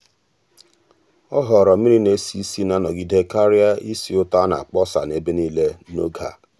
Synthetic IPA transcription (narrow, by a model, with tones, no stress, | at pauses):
ɔ˦ɦɔ˨ɾɔ˨mi˦ɾi˦ne˦si˦si˦na˦nɔ˨ɡi˦de˦ka˦ɾja˦i˦si˨ʊ˦ta˦na̰˨k͡pɔ˦sa̰˨ne˦be˦ni˦le˦no˦ɡa̰˨